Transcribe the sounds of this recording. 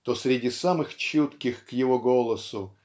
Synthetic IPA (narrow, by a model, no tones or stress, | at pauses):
t̪osɾʲɪdʲisamɨxt͡ɕut̪kʲɪxkjɪvoɡo̞lˠəsʊ